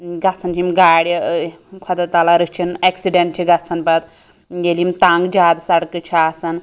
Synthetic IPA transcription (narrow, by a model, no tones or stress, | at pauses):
ɡat͡sʰɐnt͡ʃʰimɡaːɽʲ | kʰɔd̪ɐt̪alaɾɨt͡ʃʰineksiɖeɳʈt͡ʃʰiɡat͡sʰɐnpɐt̪ | jelimt̪aŋɡd͡ʒaːd̪sɐɽkɨt͡ʃʰaasɐn